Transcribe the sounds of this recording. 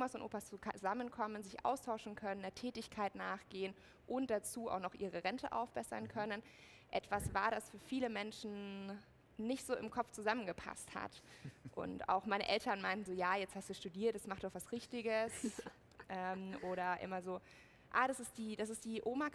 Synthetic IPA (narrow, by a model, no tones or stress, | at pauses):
ʔoːmasʊntʔo̰ːpast͡sukʰazamənkʰɔmənzɪçʔa̰ʊstʰaʊʃn̩kʰœnəndeːɐtʰɛːtɪçkʰaɪtnaːχɡ̥eːən | ʔʊnt̚d̥at͡suːa̰ʊxnɔχʔiːʁ̞əʁɛntʰəʔa̰ʊfb̥ɛsɐ̰nkʰœnən | ʔɛtv̥asv̥aːɐɾasfyːɐfiːləmɛnʃn̩ | nɪçtz̥oːɪmkʰɔpp͡fft͡suzamənɡəpʰa̰stha̰tʔʊ̰ntʔa̰ʊxmaɪnəʔɛltɐnmaɪntn̩zoːjaːjɛt͡sthastd̥uʃtudiːɐtd̥ɛasmaχtd̥ɔχv̥asʁɪçtɪɡəs | ʔɛːmʔoːɾɐʔɪ̰mɐzoː | ʔaːɾasɪstd̥iːdas̬ɪstd̥iːʔoːma